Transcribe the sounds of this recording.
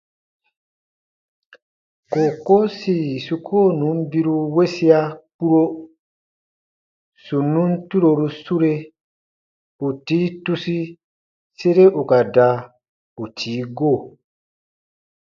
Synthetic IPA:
ko˨ko˦si˦˨su˨kʰoː˦˨nũ˨˦m˦bi˦ɾu˧we˦si˦a˦k͡pu˦ɾo˦ | su˨nːũ˦n˦tu˦ɾo˧ɾu˧su˦ɾe˦ | u˨tiː˨˦tu˦si˦ | se˦ɾe˦ʔu˨ka˨da˨ | u˨tʰiː˨˦ɡo˦˨

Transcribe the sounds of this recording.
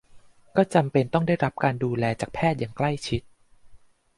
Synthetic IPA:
kɔː˥˩t͡ɕa˧mpe˧nt̪ɔ˥˩ŋda˥˩jɾa˦˥p̚kaː˧nduː˧lɛː˧t͡ɕaː˨˩k̚pʰɛː˥˩t̪̚jaː˨˩ŋkla˥˩jt͡ɕʰi˦˥t̪̚

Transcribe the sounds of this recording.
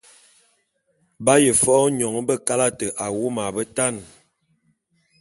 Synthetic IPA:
ba˦jə˨fɔ˦ɲɔ˨ŋ˦bə˦˨ka˦la˦tə˨ʔa˨wu˦ma˨bə˦ta˦˨n

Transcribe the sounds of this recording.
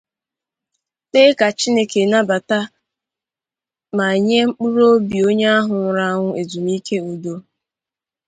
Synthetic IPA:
te˦ka˨t͡ʃi˦ne˦ke˨na˦ba˨ta˦ | ma˨ɲe˦ŋ͡m̩˦k͡pu˦ɾo˦bi˨o˦ɲe˦a˦ɦʊ˨ŋʊ˨ɾa˦ŋʷʊ˦e˨zu˨m˦i˦ke˦u˨do˦

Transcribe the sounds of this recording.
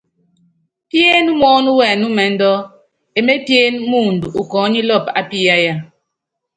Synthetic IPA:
pje˦nu˦m˦ɔ˦nu˦wɛ˨nu˦mɛ˨˦n˦dɔ˦ | e˨me˦pje˦n˦mu˦˨ndu˨ʔu˨kɔː˨˦ɲi˦lɔ˦˨pa̰˦pi˦ja˦ja˦

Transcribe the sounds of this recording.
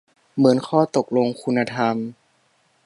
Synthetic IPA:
mɯ˩˦ənkʰɔː˥˩t̪o˨˩k̚lo˧ŋkʰu˧nːa˧t̪ʰa˧m

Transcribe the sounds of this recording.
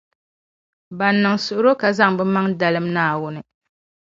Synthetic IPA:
ba˨nːɨ˨ŋsʊ˨ʔʊ˦ɾo˦ka˨za˦ŋbɛ˦ma˦ŋda˨lɨ˦mnaː˨wʊ˦nɨ˨

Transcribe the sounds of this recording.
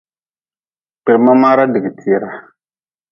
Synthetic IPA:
pɪ˨ɾmã˦ma˦ɾa˦di˨ɡi˨ti˨ɛ˨ɾa˨

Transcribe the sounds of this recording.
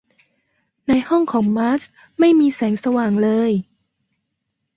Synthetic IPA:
na˧jhɔ˥˩ŋkʰɔː˩˦ŋmaː˦˥s | ma˥˩jmiː˧sɛː˩˦ŋsa˧waː˨˩ŋlɤː˧j

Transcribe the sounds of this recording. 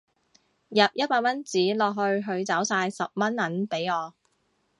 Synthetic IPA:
jɐ˨p̚jɐ˥t̚paː˧k̚mɐ˥nt͡siː˨˥lɔː˨k̚ɦɵ˧ɥɦɵ˧ɥt͡sɐ˨˥wsaː˧jsɐ˨p̚mɐ˥nːɐ˨˥npe˨˥jɔː˨˧

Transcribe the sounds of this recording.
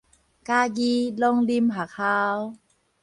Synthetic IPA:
kaː˧ɡiː˧lɔ˧ŋli˧mɦa˨˩kʰaː˧w

